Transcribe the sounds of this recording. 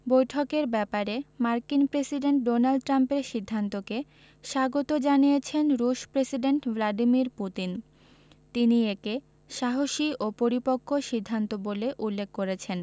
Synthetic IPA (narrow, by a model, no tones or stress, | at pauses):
bojʈʰokeɾbɛpaɾemaɾkinpɾesiɖeɳʈ̚ɖonalɖ̚ʈɾampeɾʃid̪ʱːant̪oke | ʃaɡot̪od͡ʑanijet͡ɕʰenɾuʃpɾesiɖeɳʈvlaɖimiɾput̪in | t̪inieke | ʃaɦoʃiʔopoɾipokʰːoʃid̪ʱːant̪oboleʔulːekʰːkoɾet͡ɕʰen